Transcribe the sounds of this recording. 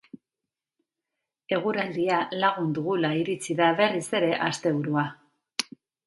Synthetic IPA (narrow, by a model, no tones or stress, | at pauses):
e̞ɣ̞uɾald̪ialaɣ̞und̪uɣulaiɾit͡siðaβe̞rise̞ɾe̞ʔast̪e̞βuɾua